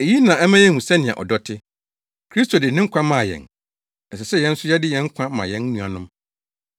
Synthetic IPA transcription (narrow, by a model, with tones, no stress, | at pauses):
e˨ji˦nã˨ɛ˦mã˦jɛ˦hũ˨sɛ˦nɪ̃˨ã̰˨ʔɔ̰˨dɔ˦tʰɪ˦ | kʰɾi˦sto˨dɪ˨nɪ̃˦ŋ̩˦kʷʰã˦mã˨jɛ̰̃˨n | ɛ˨sɛ˨sɛ˦jɛ̃˦n̩˦sʊ˦jɛ˦dɪ˦jɛ̃˨˦ŋ̩˦kʷʰã˦mã̰˨jɛ̃˦n˦nũ˨a̰˨nʊ̃˦m